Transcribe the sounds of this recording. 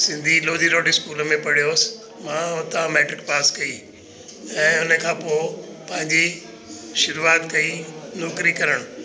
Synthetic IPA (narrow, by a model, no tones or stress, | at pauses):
sɪ̃nd̪ʱiloːd̪ʱiɾoːɖiɪskuːləmẽpɐɽ̤ijoːsɪ̥ | mãːʊt̪amɛːʈɾɪk̚paːskɐi | ɛ̃ːʊnəkʰãːpoːpɐ̃ɦɪ̃ɲd͡ʑi | ʃʊɾuaːt̪kɐinoːkɾikɐɾəɽ̃ʊ